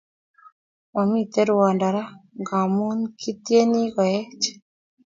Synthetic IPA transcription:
wa˨mi˦t̪e˦ɾʊ˨ɔ˨nda˨ɾa˦ɡa˨mu˦nkʰi˦t̪je˦ni˦ɡɔ˨ɛ˦t͡ʃ

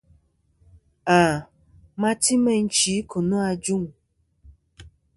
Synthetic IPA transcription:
a˨ | mã˦ti˦mɛ̃˦ŋ̩˦t͡ʃi˨˦kʰo˨nũ˦a˧d͡ʒu˦ŋ˨

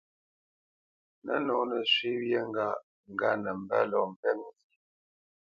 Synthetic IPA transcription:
nə̰˦nɔ˨˦nə˨sɥi˦wje˦ŋ˦ɡa˦˨ | ŋ̩˨ɡa˦nə˨m̩˦˨bə̰˦lɔ˨m̩˨pɛ˦ŋzi˨

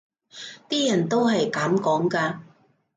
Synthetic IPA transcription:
t̪iː˥jɐ˨˩nt̪o˥wɦɐ˨jkaː˨˥mkɔː˨˥ŋkaː˧

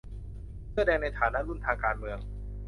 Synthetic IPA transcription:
sʰɯ˥˩ədɛː˧ŋna˧jt̪ʰaː˩˦na˦˥ʔɾu˥˩nt̪ʰaː˧ŋkaː˧nmɯ˧əŋ

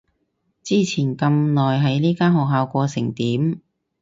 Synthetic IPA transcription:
t͡siː˥t͡sʰiː˨˩nkɐ˧mnɔː˨jɦɐ˨˥jniː˥kaː˥nɦɔː˨k̚ɦaː˨˧wkʷɔː˧sɪ˨˩ŋt̪iː˨˥m

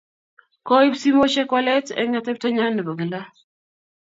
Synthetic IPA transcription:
kɔ˦i˦psi˦mo˦ʃɛ˦kɔ˦lɛ˦tɛ̰˦ŋa˦t̪ɛ˦p̚tɔ˦ɲa˦nɛ˨bo˨ɡɪ˨la˦

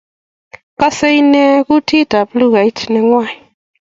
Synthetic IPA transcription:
ka˦se˦i˦nɛ˦ku˦tʰi˦ta˨blu˦ɡa˨i˦tnɛ˨ŋwa˦˨i˨

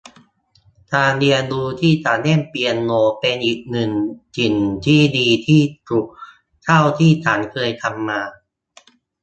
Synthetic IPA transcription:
t̪ʰaː˧ndi˧ənduː˧t̪ʰiː˥˩t̪ʰaː˩˦nːe˥˩mpi˧ənːoː˧pe˧nʔiː˨˩k̚nɯ˨˩ŋt͡ɕi˨˩nt̪ʰiː˥˩diː˧t̪ʰiː˥˩t̪u˨˩k̚ | t͡ɕ̪ʰa˥˩wt̪ʰiː˥˩t͡ɕ̪ʰaː˩˦nkʰɤː˧jt̪ʰa˧mːaː˧

